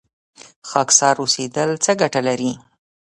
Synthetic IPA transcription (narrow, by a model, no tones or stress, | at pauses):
xɑksɑɾosed̪əlt͡səɡaʈalaɾi